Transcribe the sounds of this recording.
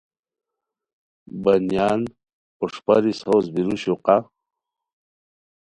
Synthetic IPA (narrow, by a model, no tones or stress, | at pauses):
bɐnjaːn | oʂpa̰ɾishoːzbiɾuɕuqa